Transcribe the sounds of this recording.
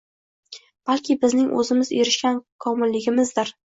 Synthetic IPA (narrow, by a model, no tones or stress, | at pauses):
b̥alkʲʰɪbɪznɪŋʔɵ̰zɪmɪzeɾɪʃkʲankʰɒmɪlːɪɡʲɪmɪzd̪ɪɾ